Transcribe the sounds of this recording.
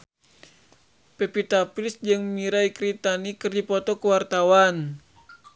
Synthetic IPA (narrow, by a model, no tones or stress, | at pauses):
pɛpit̪apɾisd͡ʒɨŋmiɾaikɾit̪anikɨrdipɔt̪ɔkəwart̪awan